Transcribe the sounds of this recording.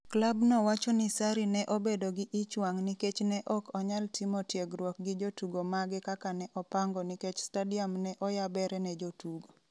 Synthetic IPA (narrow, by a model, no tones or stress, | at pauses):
klabnɔwat͡ʃɔnisaɾinɛʔobedoɡɪʔɪt͡ʃwaŋniket͡ʃnɛʔɔkʰɔɲaltʰimɔtjeɡɾwɔk̚ɡɪd͡ʒotuɡomaɡɛkakanɛʔɔpaŋɡɔniket͡ʃstadiamnɛʔɔjabɛɾɛnɛd͡ʒotuɡo